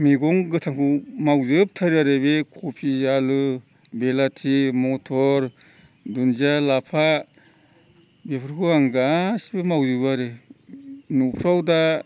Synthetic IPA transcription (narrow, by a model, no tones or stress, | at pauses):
miɡɔŋɡɯtʰaŋkʰɯmawzɯp̚tʰaɾaɾɯbekʰɔpʰizalɯ | belatʰimɔtʰɔɾ | dunzalapʰa | bepʰɯɾkʰuaŋɡasbemawzɯbaɾɯ | nupʰɾawda